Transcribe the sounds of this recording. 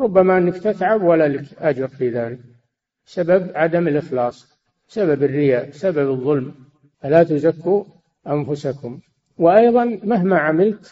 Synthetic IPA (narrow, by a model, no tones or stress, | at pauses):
ɾˤʊbːamaʔɪnːɪkt̪ɪt̪ʕabwalːalɪkʔad͡ʒɑɾfiðaːlɪk̚ | bsababʕad̪amɪlʔɪxlɑːsˤ | bsababɪrːɪjabsababɨðˤːʊlm | falat̪ʊzakːu | ʔanfʊsakʊm | wɪʔajðˤɑnmaɦmaʕamɪlt̪